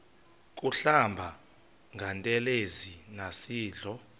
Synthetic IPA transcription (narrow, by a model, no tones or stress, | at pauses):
k̬ʼuɬambʱa | ŋʱantʼɛlezinasiːɮɔ